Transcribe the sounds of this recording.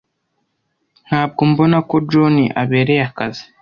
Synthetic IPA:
n̥haːb̚ɡombo̞nako̞d͡ʒoniʔa̰βe̞ːɾejakazi̥

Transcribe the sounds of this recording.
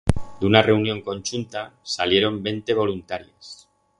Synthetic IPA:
d̪unare̞unjo̞ŋko̞nʲt͡ʃunt̪asalje̞ɾo̞mbe̞nt̪e̞β̞o̞lunt̪aɾjas

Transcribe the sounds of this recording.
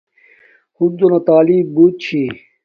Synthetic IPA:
xud̪̚d̪onat̪aːlibuːt̪̚t͡ɕʰi

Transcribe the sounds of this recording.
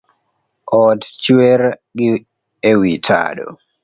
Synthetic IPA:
ɔtt͡ʃweɾɡɪ | ewitʰa̰ɗo̰

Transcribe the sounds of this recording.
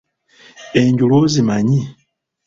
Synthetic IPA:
eɲɟulozimaɲi

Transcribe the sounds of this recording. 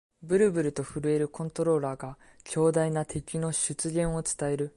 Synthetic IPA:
bɯ̟ɾɯ̟bɯ̟ɾɯ̟t̪o̞ɸɯ̟ɾɯ̟e̞ɾɯ̟kõ̞nt̪o̞ɾo̞ːɾaːɡa | kʲʰo̞ːd̪ainat̪ʰe̞kʲino̞ɕɨt͡sɨɡẽ̞ɰ̃o̞t͡sɨ̥t̪ae̞ɾɯ̟

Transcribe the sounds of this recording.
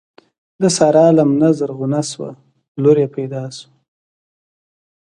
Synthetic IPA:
d̪əsɑɾɑlamnazəɾɣʊnaswa̰ | loɾepajd̪ɑsu̥

